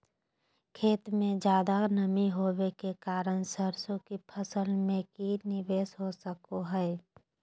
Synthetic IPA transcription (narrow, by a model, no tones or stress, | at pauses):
kʰeːt̪mẽd͡ʒjaːd̪anəmiɦobekekaːɾənsəɾsõkipʰəsəlmẽkinɪʋeːsɦosəkoɦɛː